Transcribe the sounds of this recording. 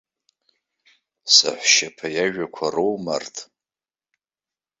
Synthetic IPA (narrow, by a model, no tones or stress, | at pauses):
sa̰ħʷʃapʰajaʒᶣakʷʰarowmartʼ